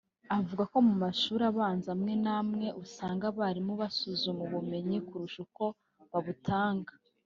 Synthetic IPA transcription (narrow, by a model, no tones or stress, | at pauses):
avuɡako̞mumaʃuːɾaβaːnzamŋe̞namŋe̞ʔusaːŋɡaβaɾimuβasuzumuβume̞ɲikuɾuʃuko̞ | βaβutʰaːŋɡa